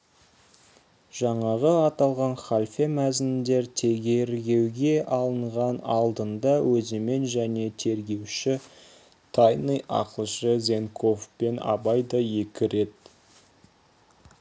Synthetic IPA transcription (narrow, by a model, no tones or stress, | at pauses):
ʒ̥ɑɴɑʁəɑt̪ɑlˠʁɑnχalʲfemæzɪnd̪e̞ɾt̪ʰe̞ɾɡʲe̞ɾɡʲe̞wɡʲe̞ʔɑlˠəɴʁɑnɑlˠd̪ənd̪ɑwɵzeme̞nʒæne̞t̪ʰe̞ɾɡʲe̞wʃɪ | t̪ʰajnijʔɑ̰qəlˠʃəzʲe̞ŋkʰo̞fpe̞nɑ̰bɑjd̪ɑje̞kʲɪɾe̞t̪